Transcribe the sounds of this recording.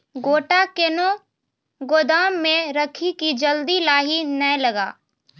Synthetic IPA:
ɡoːʈakeno | ɡoːd̪aːmːẽɾəkʰikid͡ʒəld̪ilaːɦinəlɐɡa̰ː

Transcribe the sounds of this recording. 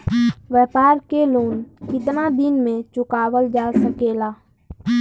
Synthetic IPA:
ʋɛːpaːɾkeloːnkɪt̪nad̪ɪnmẽt͡ʃʊkaːwəld͡ʒaːlsəkeːlaː

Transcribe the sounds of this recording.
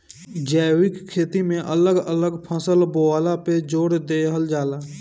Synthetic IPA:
d͡ʒɛːwɪkkʰːeːt̪imẽʔələɡələɡpʰəsəlboaːlaped͡ʒoːɽd̪eɦəld͡ʒaːlaː

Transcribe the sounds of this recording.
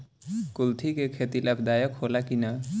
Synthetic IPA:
kult̪ʰikekʰet̪ilapʰd̪ajəkholakina

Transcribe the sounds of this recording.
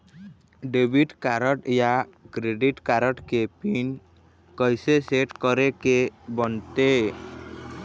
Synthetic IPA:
ɖebiʈkaɾɔʈjakɾeɖiʈkaɾəʈkepin | kɔjseseʈkɔɾekebɔnt̪e

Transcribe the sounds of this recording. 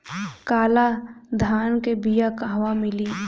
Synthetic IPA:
kaːlad̪ʱaːnkebijakaɦʋamɪliː

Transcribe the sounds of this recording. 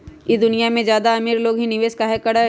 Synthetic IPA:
jid̪ʊnijamẽzjaːd̪aɐmiːɾloːɡɦinɪʋeːskaɦɛkɐɽa

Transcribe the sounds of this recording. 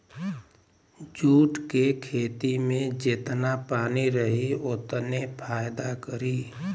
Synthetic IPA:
d͡ʒuːʈkekʰeːt̪imẽd͡ʒɪt̪napaːniɾəɦiʊt̪nepʰaːjd̪akəɾiː

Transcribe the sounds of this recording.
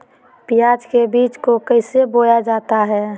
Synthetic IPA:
pɪjaːd͡ʒkebiːt͡ʃkokəɦɪsebojad͡ʒaːt̪aɦɛː

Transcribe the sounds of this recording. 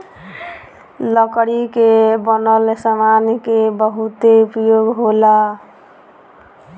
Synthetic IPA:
ləkɽikebənəlsamankebəɦut̪eupjoɡɦola

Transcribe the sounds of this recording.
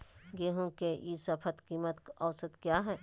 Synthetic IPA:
ɡeːɦõkejisɐpʰət̪kiːmət̪kɔːsət̪kjaːɦɛː

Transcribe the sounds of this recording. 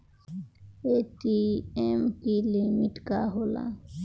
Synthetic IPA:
eʈiemkilimiʈkaɦolã̰

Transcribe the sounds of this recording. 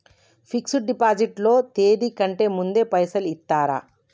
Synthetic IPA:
pʰiksuɖipaːd͡ʒiʈlo̞ːt̪e̞ːd̪ikɐɳʈe̞ːmund̪e̞ːpɐjsɐlit̪ːaːɾa̰

